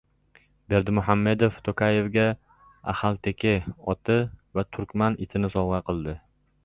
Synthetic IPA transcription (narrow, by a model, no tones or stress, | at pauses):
be̞ɾd̪ɪmʊɦamːe̞d̪oft̪ʰokʰaje̞vɡʲa | a̰halt̪ʰekʲʰɪɒt̪ʰɪvat̪ʰʊɾkʲmanɪt̪ʰɪnɪsɒwʁɑqʰɨlˠd̪ɪ